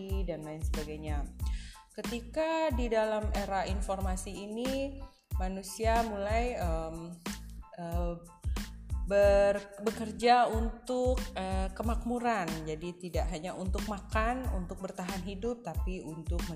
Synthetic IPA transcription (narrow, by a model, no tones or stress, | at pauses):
idanlaɪnsəbaɡajɲa | kət̪ikadidalameɾainformasiːni | manusiamulajəm | ə | bərbəkərd͡ʒaunt̪ʊkəkːəmak̚muɾand͡ʒadit̪idaʔɦaɲaunt̪ʊk̚makanṵnt̪ʊk̚bərt̪aɦanɦidʊp̚t̪apiunt̪ʊk̚mə